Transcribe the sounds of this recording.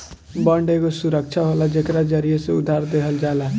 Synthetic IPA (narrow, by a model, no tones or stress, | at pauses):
bəɳɖekosuɾək̚t͡ʃʰaɦolad͡ʒekɾad͡ʒəɾieseud̪ʱaɾd̪eɦəld͡ʒala